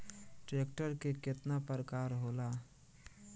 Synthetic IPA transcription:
ʈɾeːk̚ʈəɾkekɪt̪napəɾkaːɾɦoːlaː

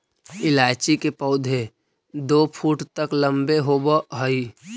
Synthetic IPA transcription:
ɪlaːt͡ʃikepəʊd̪ʱe | d̪oːpʰuːʈt̪əklə̃mbeɦoːbəɦəi

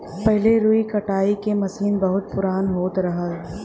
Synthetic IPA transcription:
pɛɦleɾuːikɐʈaːikemɐsiːnbɐɦʊt̪̚pʊɾaːnɦoːt̪ɾɐɦə

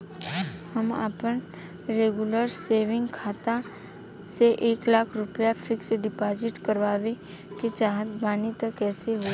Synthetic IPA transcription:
həma̰ːpən | ɾeːɡʊləɾseːʋɪ̃ŋɡkʰaːt̪a | seʔeːklaːkʰɾʊpjafʰɪksɖɪpaːd͡ʒɪʈkəɾʋaːʋe | ket͡ʃaːɦət̪baːnit̪əkːɛːseɦo

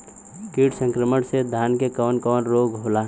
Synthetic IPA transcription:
kiːʈsə̃ŋkɾəməɽsed̪ʱaːnkekɔːnkɔːnɾoːɡɦoːlaː

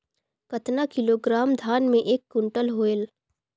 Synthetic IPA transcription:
kɐt̪nakɪloɡɾaːmd̪ʱaːnmẽʔeːkːʊɳʈəlɦoːel

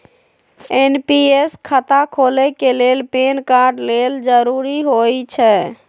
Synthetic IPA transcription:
enpieskʰət̪akʰolɛkelelpenkaɾɖleld͡ʒəɾuɾiɦojt͡ʃʰɛ

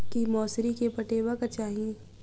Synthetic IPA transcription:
kimɔːsɾikepɐʈeːbəkɐt͡ʃaːɦĩ

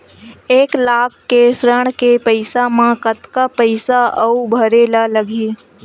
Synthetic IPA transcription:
eːklaːkʰːesɾəɽ̃kepəɪsamãkət̪kapəɪsaəubʱəɾeːlaləɡʱiː

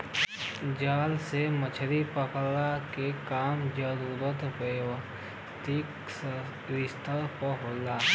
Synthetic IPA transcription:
d͡ʒaːlsemət͡ʃʰəɾipəklakekaːmd͡ʒəɾuːɾət̪ʋewə | t̪ik | s | ɾɪst̪əɾpəɦoːlaː

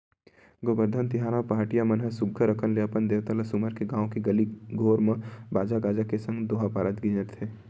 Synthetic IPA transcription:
ɡobəɾd̪ʱənt̪ɪɦaːɾapaɦaʈijamɐnɦəsʊɡʱːəɾəkʰənleɐpənd̪eːʋt̪ələsʊməɾkeɡãːõkeɡɐliɡʱoːɾmə̃baːd͡ʒaɡaːd͡ʒakesɐ̃ŋɡd̪oːɦapaːɾət̪ɡɪd͡ʒəɾt̪ʰeː

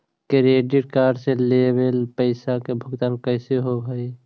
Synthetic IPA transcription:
kɾeːɖɪʈ̚kaːɾselebelpəɪsakebʱʊɡt̪aːnkəɪseɦoɡʱəi

